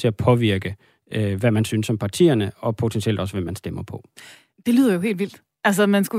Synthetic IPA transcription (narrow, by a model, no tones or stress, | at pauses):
t͡sʰe̝æpʰɒ̽ʋiɐɡ̥ə | ʋæmænsynsːɒ̽mpʰɑ̈t͡sʰḭːɐnəɒ̽pʰo̝t͡sʰensʰiel̰d̥ɒ̽səʋæmːænsd̥emɐpʰɒ̽ | d̥e̝lyiːð̰ˠɐjo̝he̝̰ːldʋil̰d̥ | ʔæls̬ɐmænsɡ̥u